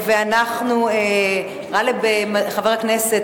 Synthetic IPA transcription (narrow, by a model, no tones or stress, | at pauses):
veanaχnue | ʁalebemaχaveʁhaknese